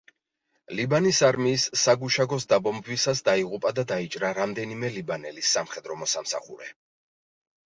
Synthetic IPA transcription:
libanisaɾmiːsːaɡuʃaɡɔsd̪abɔmbvisasd̪aiʁupʼad̪ad̪ait͡ʃʼɾaɾamd̪ɛnimɛlibanɛlisːamχɛd̪ɾɔmɔsamsa̰χṵɾɛ

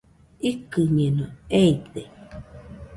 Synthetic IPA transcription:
ikɨmienoeid̪e

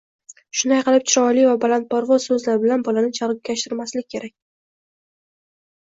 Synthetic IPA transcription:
ʃʊnajqʰɨlˠɪp̚t͡ʃʰɪɾɒlivabalant̪̚pʰɒɾvɒz̥sɵzlaɾɪbɪlanbɒlanɪt͡ʃʰaɾkʲʰːaʃt̪ɪɾmaslɪkʲʰːe̞ɾak̚ʲ

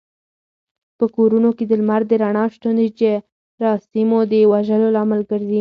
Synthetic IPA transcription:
pəkoɾunoked̪əlmaɾd̪əɾaɳɑʃt̪und̪it͡ʃe | ɾɑsimod̪əwaʒəlolɑmalɡəɾd̪i

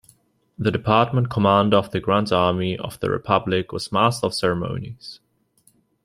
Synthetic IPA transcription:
ðɨdɨpʰɑɹt̚mə̃nkʰəmæ̃ndəʌvðɨɡɹæ̃ntɑɹmiʌ̰v̥ðə̰ɹɪ̰pʰʌblɪkwʌ̰z̥mastʌv̥sɛɹəmõ̰ʊ̃niz̥

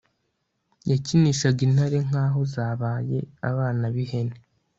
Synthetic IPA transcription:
jaciniʃaɡin̥aɾe̞ŋ̥aːɦo̞zaːβaːje̞a̰βaːnaβiɦene

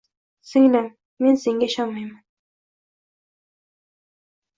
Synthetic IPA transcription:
sɪŋlaŋ | menseŋɡʲaʃɑnmɑjman

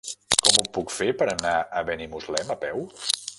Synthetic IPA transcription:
kɔmupukfepəɾənaəβɛnimuzlɛməpɛw

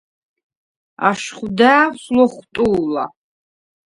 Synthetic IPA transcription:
a̰ʃχud̪aːslɔχt̪ʼuːla̰

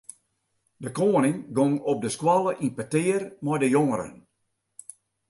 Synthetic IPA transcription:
dəkoːənɪŋɡɔŋɔp̚dəskwɔlˠəʔinpətɪːrmɔjdəjoŋəɾə̰n

